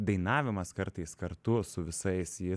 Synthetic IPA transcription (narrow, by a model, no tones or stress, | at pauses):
d̪ɐɪnɑːʋʲɪmɐskɐɾt̪ɐɪskɐɾt̪ʊsʊʋʲɪsɐɪsjɪ